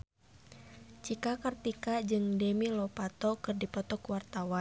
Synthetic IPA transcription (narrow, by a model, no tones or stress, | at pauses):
t͡ʃikakərt̪ikad͡ʒɨŋdɛmilɔpat̪ɔkɨrdipɔt̪ɔkuwart̪awan